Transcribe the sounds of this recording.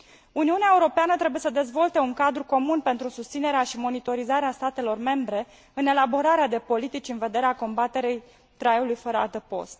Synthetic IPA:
uniuneaeuɾo̞peanət̪ɾe̞buje̞səd̪e̞zvo̞lt̪e̞uŋkad̪ɾuko̞munpe̞nt̪ɾusust̪sine̞ɾeaʃimo̞nit̪o̞ɾizaɾeast̪at̪e̞lo̞rme̞mbɾe̞ | ɨne̞labo̞ɾaɾead̪e̞po̞lit̪it͡ʃʲɨnve̞d̪e̞ɾeako̞mbat̪e̞ɾej | t̪ɾaeulujfəɾəa̰lt̪əpo̞̰st̪

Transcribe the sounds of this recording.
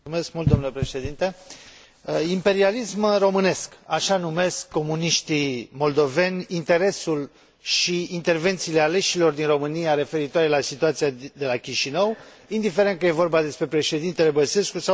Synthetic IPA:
umeskmult̪d̪o̞mnule̞pɾe̞ʃe̞d̪int̪e | impe̞ɾialismro̞mɨne̞skaʃanume̞skːo̞muniʃt̪imo̞ld̪o̞ve̞nʲint̪e̞ɾe̞sul | ʃiint̪e̞rve̞nt̪siːle̞ale̞ʃilo̞rd̪inro̞mɨniaɾe̞fe̞ɾit̪waɾe̞lasit̪uat̪siad̪e̞lakʲiʃinəw | ind̪ife̞ɾe̞nt̪̚kəje̞vo̞rbad̪e̞spɾe̞pɾe̞ʃe̞d̪int̪e̞le̞bəse̞skusa

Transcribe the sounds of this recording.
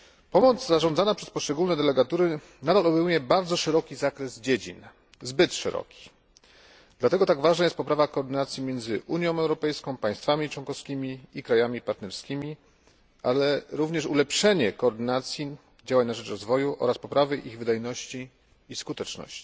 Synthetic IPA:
pɔmɔd̪zzaʐɔ̃nd̪zanapʂɛspɔʂt͡ʂɛɡulnɛd̪ɛlɛɡat̪uɾɘ | nad̪alɔbɛjmujɛbaɾd̪zɔʂɛɾɔkʲizakɾɛzd͡ʑed͡ʑḭn | zbɘt̪ʂɛ̰ɾɔ̰kʲi̥ | d̪lat̪ɛɡɔt̪aɡvaʐnajɛst̪̚pɔpɾavakɔːɾd̪ɘnat̪sʲjimʲjɛnd̪zɘʔuɲjɔ̃w̃ɛwɾɔpɛjskɔ̃w̃paj̃st̪famʲit͡ʂwɔnkɔfskʲimʲiikɾajamʲipaɾt̪nɛɾskʲimʲi | ʔalɛɾuvɲɛʂulɛpʂɛɲɛkɔːɾd̪ɘnat̪sʲji | d͡ʑawaɲnaʐɛt͡ʂɾɔzvɔjuʔɔ̰ɾaspɔpɾavɘʔiɣvɘd̪ajnɔɕt͡ɕiː | skut̪ɛt͡ʂnɔ̰ɕt͡ɕi̥

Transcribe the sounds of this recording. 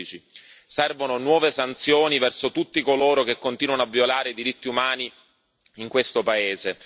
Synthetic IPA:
it͡ʃi | sɛrvononwɔːvesant̪sjoːnivɛrsot̪ut̪ːikoloːɾok̟ekːont̪iːnwanoavːjolaːɾeid̪iɾit̪ːiumaːni | iŋkwest̪opaeːze

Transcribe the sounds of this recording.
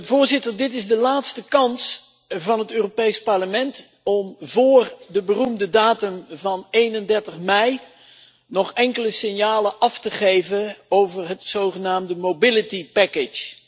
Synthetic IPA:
vʊːɹzɪtəɹdɪtɪzdəlaːtstəkɑns | vɑnɦətøːropejspɑɹləmɛnt | ɔmvʊːrdəbərumdədaːtəmvɑnejnəndɛɹtəχmɛj | nɔχɛŋkələsɪnjaːləʔɑftəχejvəowvəɹɦətsowχənaːmdəmowbɪlətipɛkɪt͡ʃ

